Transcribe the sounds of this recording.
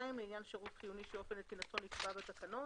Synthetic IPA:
imleinjanʃeʁutχijuniʃeofenletinaso̞nikpabet̪akano

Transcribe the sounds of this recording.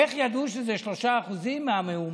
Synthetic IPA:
eχjad̪uʃezeʃlo̞ʃaːχuzimmːeameum

